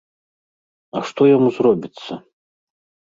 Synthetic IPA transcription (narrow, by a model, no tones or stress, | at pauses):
ɐʂt̪ɔjɔmuzrɔbʲit̪sːɐ